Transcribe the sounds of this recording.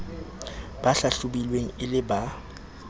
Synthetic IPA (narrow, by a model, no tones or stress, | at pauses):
b̥aɬaɬʊbilweŋ̩ɪlɪba